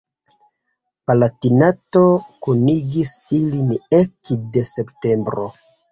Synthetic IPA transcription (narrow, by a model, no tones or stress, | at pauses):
palatinato̞kuniɡisilinekde̞se̞pte̞mbɾo̰